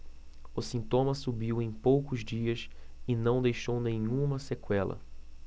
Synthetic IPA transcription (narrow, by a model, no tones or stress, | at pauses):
ʊsĩnt̪õmɐsubiwẽj̃powkʊzd͡ʒiɐsɪnɐ̃w̃d̪ejʃownẽɲũmɐsekwɛlɐ̰